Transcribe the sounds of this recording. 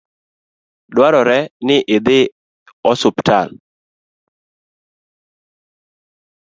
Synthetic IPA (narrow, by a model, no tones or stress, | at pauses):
dwaɾɔɾɛnɪʔɪd̪ɪ | ɔsʊptʰa̰l